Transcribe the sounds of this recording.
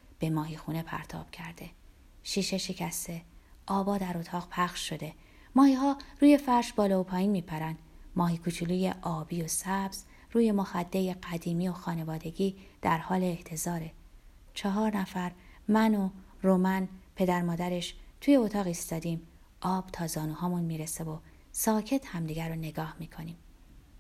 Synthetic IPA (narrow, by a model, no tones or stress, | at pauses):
b̥e̞mɒːɦixune̞pʰæ̰ɾt̪ʰɒ̰ːb̥cʰæɾd̪e̞ | ʃiːʃe̞ʃecʰæst̪e̞ | ʔɒːbɒːd̪æɾot̪ʰɒːʁpʰæχʃʃo̞d̪e̞ | mɒːhiːɦɒːruːje̞fæɾʃbɒːlɒːopʰɒːjiːnmiːpʰæɾænd̪mɒːhiːkʰut͡ʃʰuluːjeʔɒːbiːosæbz̥ | ruːje̞moxæd̪ːe̞jeɢæd̪iːmio̞xɒːne̞vɒːd̪e̞ɟiːd̪̥æɾhɒːleːht̪ʰe̞zɒːɾe̞ | t͡ʃʰɒɦɒːɾnæfæɾmæno | romænpʰe̞d̪æɾmɒːd̪æɾe̞ʃt̪ʰuːje̞ot̪ʰɒːɣiːst̪ɒːd̪iːm | ʔɒːb̥t̪ʰɒːzɒːnuːhɒːmunmiːɾesevo̞ | sɒːcʰe̞t̪ʰhæmd̪iːɡæɾone̞ɡɒːhmiːkʰo̞niːm